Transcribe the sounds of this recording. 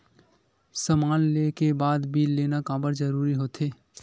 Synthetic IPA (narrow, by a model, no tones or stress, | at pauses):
səmaːnleːkebaːd̪biːlːeːnakaːbəɾd͡ʒəɾuːɾiɦoːt̪ɦeː